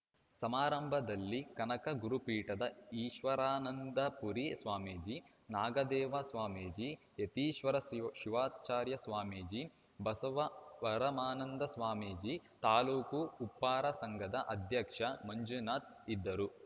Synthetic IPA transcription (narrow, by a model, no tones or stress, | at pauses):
sɐmaːɾɐmbʱɐd̪ɐlːikɐnɐkɐɡuɾupiːʈɐd̪ɐiːʃʋɐɾaːnɐnd̪ɐpuɾisʋaːmeːd͡ʒi | naːɡɐd̪ɛːʋɐsʋaːmeːd͡ʒi | et̪iːʃʋɐɾɐʃiʋaːt͡ʃaːɾjɐsʋaːmeːd͡ʒi | bɐsɐʋɐʋɐɾɐmaːnɐnd̪ɐsʋaːmeːd͡ʒit̪aːluːkuːpːaːɾɐsɐŋɡʱɐd̪ɐʔɐd̪ʱjɐkʂɐmɐɲd͡ʒunaːt̪̚ | id̪ːɐɾu